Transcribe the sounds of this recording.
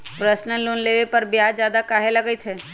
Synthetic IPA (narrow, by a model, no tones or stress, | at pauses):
pɾəʃnəlːoːnleːʋepɐɾbjaːd͡ʒjaːd̪akaːɦelɐɡəit̪ʰeː